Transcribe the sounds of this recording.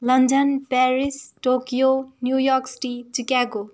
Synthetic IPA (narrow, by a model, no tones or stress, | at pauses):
lʌndʌnpɛɾisʈokijonjujɔɾksʈit͡sikako